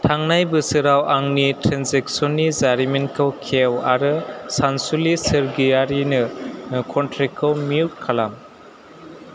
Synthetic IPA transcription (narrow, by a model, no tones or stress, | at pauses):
tʰaŋnajbɯsɯɾawʔaŋnitʰɾanzeksɔnizaɾimenkʰɯwkʰewaɾɯsansulisɯɾɡijaɾinɯkʰɔntʰɾikʰɯwmiukʰalam